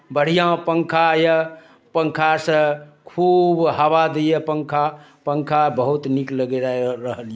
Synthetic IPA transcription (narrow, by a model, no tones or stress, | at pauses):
bəɽ̤ijãpəŋkʰajə | pəŋkʰasə̃kʰubɦəʋad̪ejepəŋkʰa | pəŋkʰabəɦut̪nikləɡeɾaɾəɦəlje